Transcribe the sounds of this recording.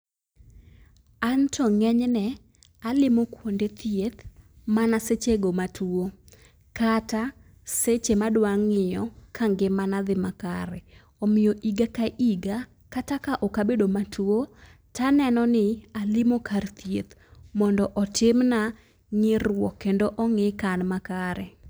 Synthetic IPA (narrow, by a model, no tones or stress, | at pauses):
antɔŋɛɲnɛ | alɪmokwondet̪jet̪ | manaset͡ʃeɡomatuo | kata | set͡ʃemadwaŋːɪjɔkʰaŋɡɪmanad̪ɪmakaɾɛ | ɔmɪjoʔiɡakaʔiɡa | katakaʔɔkabedomatʰuo | tanɛnɔnɪalɪmokart̪jet̪ | mɔndɔʔɔtɪmna | ŋɪrwɔkːendoʔɔŋɪkanmakaɾɛ